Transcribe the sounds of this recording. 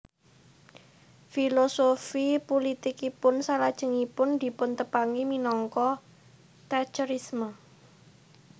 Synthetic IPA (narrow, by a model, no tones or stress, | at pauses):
filosofipolit̪ikipʊnsalad̥ʒ̥ə̤ŋipʊnd̪̥i̤pʊnt̪əpaŋiminɔŋkɔ | t̪at͡ʃəɾismə